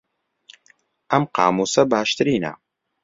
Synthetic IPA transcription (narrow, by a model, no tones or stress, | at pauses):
ʔɐmqɑ̰ːmuːsɐbaːʃt̪ɨɾiːnɐ̰